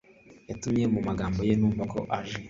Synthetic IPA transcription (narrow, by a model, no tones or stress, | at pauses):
jatumje̞mumaɡaːmbo̞jenuːɱvako̞̰ʔaʒe